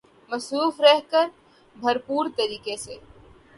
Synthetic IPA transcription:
mɐsɾuːfɾɛɦkəɾ | bʱɐɾpuːɾt̪ɐɾiːkeseː

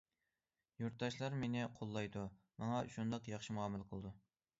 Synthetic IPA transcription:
juɾt̪̚ːɑʃlˠɑɾmenɪqʰolˠːɑjd̪u | mɑŋɑʃund̪ɑqjɑχʃimuɑːmɨlˠqʰəlˠɨd̪u

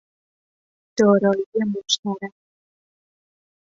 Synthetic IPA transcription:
d̪̥ɒːɾɒːijemoʃt̪æɾæ

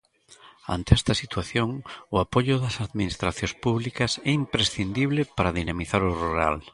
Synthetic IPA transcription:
a̰nt̪eɛst̪ɐsit̪waθjoŋʊapoʎʊðɐsaðminist̪ɾaθjõspuβlikɐsɛimpɾesθind̪iβlepaɾɐðinamiθaɾʊruɾa̰l

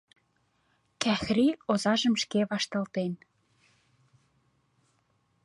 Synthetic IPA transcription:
kæxriozɑʒə̆mʃkeβɑʃt̪ɑlt̪en

